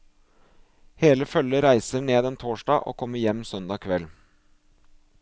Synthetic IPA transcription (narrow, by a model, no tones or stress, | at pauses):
heːləfœləɾæɪsəɳeːd̪ɛnt̪ʰoːʂɖɑːʔo̰ːkʰɔmːəɾjɛmːsœnd̪ɑːkʰʋɛl